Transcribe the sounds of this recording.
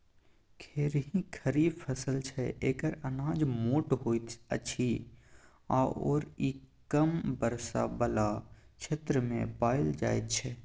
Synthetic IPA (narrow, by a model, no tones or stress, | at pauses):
kʰeːɾɦĩkʰəɾiːpʰəsəlt͡ʃʰɛeːkəɾənãːd͡ʒmoːʈɦoːt̪ə̰t͡ʃʰi | a̰o̰ːɾikəmbəɾsa̰bəlat͡ʃʰeːt̪ɾəmḛ̃paːɪld͡ʒa̰ːet̪̚t͡ʃʰɛ